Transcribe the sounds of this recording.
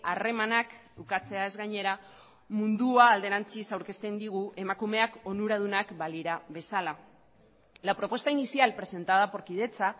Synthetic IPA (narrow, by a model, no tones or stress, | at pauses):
are̞manakt̪ukat͡se̞ae̞zɣajɲe̞ɾa | mund̪uaːld̪e̞ɾant͡sisawɾke̞st̪e̞nd̪iɣ̞uʔe̞makume̞ako̞nuɾað̞unakbaliɾaβe̞sala | lapɾo̞pwe̞st̪ainisialpɾe̞se̞nt̪að̞apo̞ɾkið̞e̞t͡sa